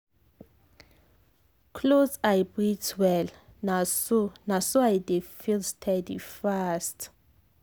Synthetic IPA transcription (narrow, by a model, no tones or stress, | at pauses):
kʰlozajbɹitʰwɛlnanasuajdefilstʰɛdḭfast